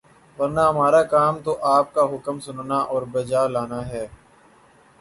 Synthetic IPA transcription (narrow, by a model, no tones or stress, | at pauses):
ʋɐɾnaɦɐmaːɾakaːmt̪oʔaːp̚kaɦʊkəmsʊnnaʔɔːɾbɐd͡ʒaːlaːnaɦɛː